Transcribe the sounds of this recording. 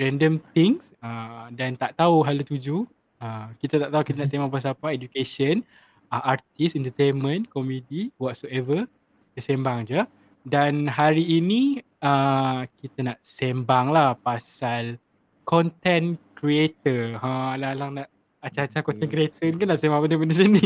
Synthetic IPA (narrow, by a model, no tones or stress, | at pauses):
ɾɛndəmt̪iŋsədant̪aʔt̪auɦalut̪ud͡ʒu | ə̃kit̪at̪aʔt̪aukit̪anaʔs̬embaŋpas̬apaed͡ʒukesən | əart̪isɛnt̪ət̪enmə̃nkomediwɔt̪̚soɛvə | tasɛmbaŋd͡ʒu | danɦaɾiːni | əkit̪anaʔsembaŋlahpasal | kɔnt̪ɛnkɾiet̪əəlalaŋnaʔ | at͡ʃat͡ʃahkɔnt̪ɛnkɾiet̪ənikanaʔsembaŋbəndəbəndəs̬ini